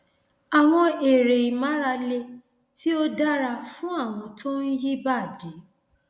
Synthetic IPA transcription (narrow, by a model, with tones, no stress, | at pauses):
a˨w̃ɔ̃˧e˨ɾe˨i˨mã˨˦ɾa˧le˧ | tʰi˦o˦da˦ɾa˧fũ˦a˦˨w̃ɔ̃˧tʰo˦n̩˦ji˦ba˦˨di˨˦